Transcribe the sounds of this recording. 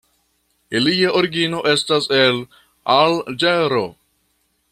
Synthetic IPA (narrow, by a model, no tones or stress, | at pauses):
ilieʔoɾiɡinoʔestasel | aɭd͡ʒaɾo